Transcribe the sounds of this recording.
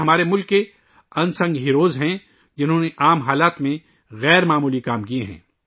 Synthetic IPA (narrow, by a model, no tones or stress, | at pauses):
ɦɐmaːɾemʊlkːe | ɐ̃nsɐ̃ŋɡɦiɾoːzɦɛ̃ | d͡ʒɪnɦõːneʔaːmɦaːlaːt̪mẽ | ɣɛːɾmaːmuːlikaːmkieɦɛ̰̃ː